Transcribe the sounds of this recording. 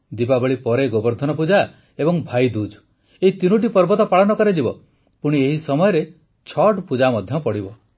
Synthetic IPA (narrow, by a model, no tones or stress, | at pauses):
d̪ipabɔɭipɔɾeɡɔbɔɾd̪ʱɔnɔp̬ud͡ʒa | ebɔŋbʱajd̪ud͡ʒ | eit̪inuʈ̬ipɔɾbɔt̪ɔpaɭɔnɔkɔɾed͡ʒibɔ | puɽ̃ieɦisɔmɔjɔɾe | t͡ʃʰɔʈpud͡ʒamɔd̪ʱjɔpɔɽibɔ